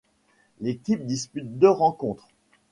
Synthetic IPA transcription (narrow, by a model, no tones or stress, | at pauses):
lekʲip̚d̪ispyt̪̚d̪øʁɑ̃kɔ̃t̪χ